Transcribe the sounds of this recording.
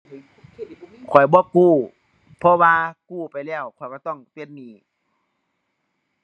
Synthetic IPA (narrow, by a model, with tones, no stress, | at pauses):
kʰɔ˨˩jbɔː˧˦kuː˧˩ | pʰɔ˧waː˧kuː˧˩pa˨jlɛː˧˩wkʰɔ˨˩jbɔː˧˦t̪ɔ˧˩˨ŋpi˧˩˨n̚niː˧˩